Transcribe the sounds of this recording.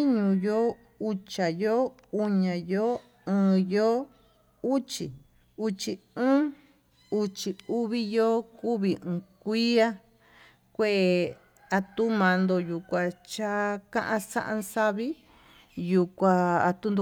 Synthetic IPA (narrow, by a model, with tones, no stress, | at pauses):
i˦ɲũ˧jo˦ | u˧t͡ʃa˨jo˦ | u˧ɲã˨jo˦ | ɨ̃ː˧jo˦ | u˦t͡ʃi˨ | u˧t͡ʃi˧ɨ̃ː˦ | u˧t͡ʃi˧u˧βi˦jo˦ku˦βi˧ɨ̃ː˧kʷi˦a˦ | kʷe˦ʔe˨˧ | a˧t̪u˦mã˧nd̪o˧ju˨kʷã˧t͡ʃa˦kã˦ʔã˧sã˦ʔã˧sa˧βi˦ | ju˧kʷa˧a˧t̪u˦nd̪o˧